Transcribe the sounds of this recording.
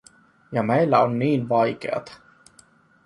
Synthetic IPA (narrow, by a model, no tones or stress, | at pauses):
jɑmejlːæonːiːnʋɑjkḛɑ̰t̪ɑ̥